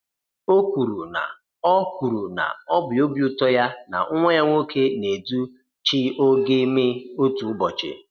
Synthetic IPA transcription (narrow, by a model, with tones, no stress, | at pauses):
o˦kʷu˨ɾu˨na̰˨ | ɔ˦kʷu˨ɾu˨na̰˨ɔ˦bʊ˨o˦bju˦tɔ˦ja˦na̰˨˦ŋʷe˦ɲa˦ŋʷo˦kʰe˦ne˨du˦ | t͡ʃi˦o˦ɡe˦me˦o˦tu˨ʊ˦bɔ˨t͡ʃɪ̰˨